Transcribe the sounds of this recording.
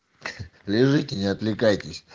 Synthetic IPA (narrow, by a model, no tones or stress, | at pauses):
lʲɪʐɨtʲɪnʲɪɐt̪lʲɪkajtʲɪsʲ